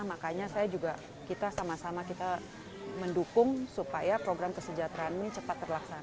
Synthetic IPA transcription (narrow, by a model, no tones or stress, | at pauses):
makaɲasajad͡ʒuɡa | kit̪asamasamakit̪a | məndukʊŋsupajapɾoɡɾamkəsəd͡ʒat̪ɾaːnnit͡ʃəpat̪ːərlaksan